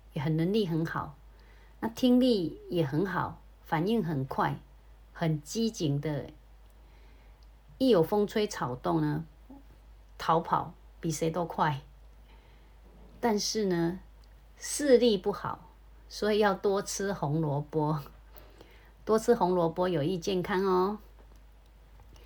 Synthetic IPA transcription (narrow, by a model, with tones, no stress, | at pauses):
jɛ˨˩ɦə˨nːə˧˦nli˥˨ɦə˧˦nxɑ˨˩˦ʊ | na˥˧t̪ʰi˥ŋli˥˩jɛ˨˩xə˨˧˦nxɑ˨˩˦ʊ | fa˨˩ni˥˩ŋɦə˨˩nkʰwa˥˩ɪ | xə˨˩nt͡ɕi˦t͡ɕi˨˥ŋd̪ə˧ | i˥˩jo˨˩fə˥ŋt͡sʰwe˥ɪt͡sʰa˨˩ʊt̪ʊ˥˨ŋnə˨ | t̪ʰa˧˥ʊpʰa̰˨˩˦ʊ | pi˨˩se˧˥ɪt̪o˥ʊkʰwa˥˩ɪ | t̪a˥˧nʂɻ̩˥˩nə˨ | sɹ̩˥˧li˥˧pu˥˩xɑ̰˨˩˦ʊ | swɔ˧˥i˨˩jɑ˥˩ʊt̪wɔ˥t͡s̩ʰ˦xʊ˧˥ŋlwɔ˧˥pwɔ˦˥ | t̪wɔ˥t͡s̩ʰ˥xʊ˧˥ŋlwɔ˧˥pwɔ˥jo˨˩ʊi˥˧t͡ɕjɛ˥˨nkʰa˥ŋɔ˧